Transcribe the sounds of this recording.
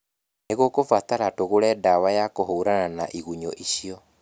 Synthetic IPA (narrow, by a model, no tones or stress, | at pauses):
neɣokofat̪aɾatoɣoɾɛdawajakoɦoɾananaʔiɣuɲɔʔiɕiɔ